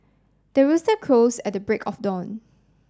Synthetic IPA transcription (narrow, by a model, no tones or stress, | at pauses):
d̥əɹustəkʰɹosɛt̚dəbɹekʰɔfdɔ̃n